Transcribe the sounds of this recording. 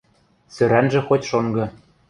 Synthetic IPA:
sø̆ɾænʒɘ̆xotʲʃoŋɡɤ̆

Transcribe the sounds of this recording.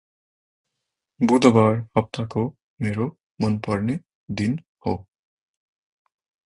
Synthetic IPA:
bud̪ɔbaɹhʌp̚t̪ʰako | meɹo | mɔnpɔɹne | d̪in | ho

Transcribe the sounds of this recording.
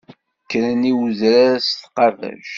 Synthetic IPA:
kːɾæniwzɾaɾst̪qɑrðæ̰ʃ

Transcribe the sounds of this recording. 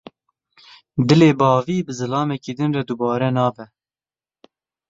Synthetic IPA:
d̪ɨleːbɑːviːbɨzɨlɑːmɛkiːd̪ɨnrɛd̪ubɑːɾɛnɑːbɛ

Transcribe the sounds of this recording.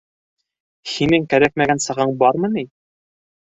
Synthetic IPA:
hinɘŋkæɾæk̚mæɡænsɤ̆ʁɤɴbɑɾmɤ̆ni

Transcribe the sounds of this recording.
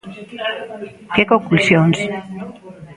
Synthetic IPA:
kekoŋklusjons

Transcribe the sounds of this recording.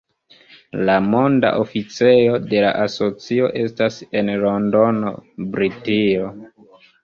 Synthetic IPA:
lamo̞nda̰ʔofit͡se̞jo̞de̞la̰ʔaso̞t͡sio̞̰ʔe̞stase̞nlo̞ndo̞no̰bɾitio̞

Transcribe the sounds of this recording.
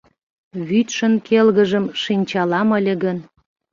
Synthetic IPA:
βyt̪ʃə̆nkelɣəʒəmʃinʲt͡ɕɑlɑməlʲə̆ɣən

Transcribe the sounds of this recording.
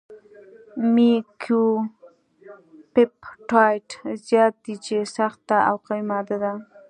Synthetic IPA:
mikʰju | pɪpʈajʈzjɑt̪̚d̪it͡ʃesaxt̪aa̰wqawjmɑd̪ad̪a

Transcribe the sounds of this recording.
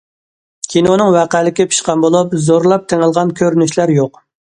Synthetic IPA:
kʲʰinounɨŋwæqælɪkʲipʰi̥ʃqɑmbolˠup̚zoɾlˠɑp̚t̪ʰeŋɪlˠʁɑnkʲʰøɾynyʃlæɾjoq

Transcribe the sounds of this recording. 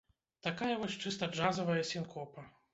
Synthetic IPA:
t̪akajɐvɔsʲt͡ʂɨst̪ɐd͡ʐazɐvɐjɐsʲinkʰɔpɐ

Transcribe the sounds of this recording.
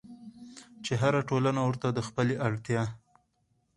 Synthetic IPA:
t͡ʃeɦaɾaʈolanawəɾt̪ad̪əxpəleʔaɽt̪jɑ

